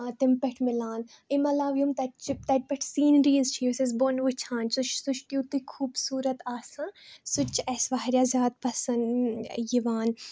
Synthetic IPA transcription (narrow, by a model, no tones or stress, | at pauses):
at̪ɪmpɛʈʰmɪlaːn | imɐlaːʋjumt̪ɐt͡ʃt̪ɐʈ̚pɛʈʰsiːnɾiːzt͡ʃʰiuses̬bonʋut͡ʃʰãːnsut͡ʃʰsuʃʰkit̪ukʰuːbsuːɾɐt̪aːsãsʊt͡ʃɛsʋaːɦɾʲjaːzʲjaːd̪̚pɐsɐnjiʋaːn